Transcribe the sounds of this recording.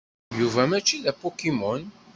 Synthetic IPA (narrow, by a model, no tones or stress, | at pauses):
juvæmæt͡ʃːiðæpɔkimɔn